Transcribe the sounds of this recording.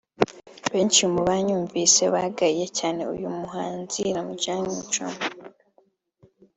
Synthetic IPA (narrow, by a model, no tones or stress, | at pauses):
βe̞ːnt͡ʃimuβaɲuːɱviːse̞βaɡaɾijecaːne̞ṵjumuɦaːnziɾamuɟaːɲit͡ʃo̰m